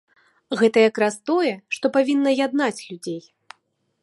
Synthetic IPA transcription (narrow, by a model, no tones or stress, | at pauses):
ɣɛt̪ɐjakɾast̪ɔjɛʂt̪ɔpavʲinːɐjad̪̚nat͡sʲlʲud͡zʲej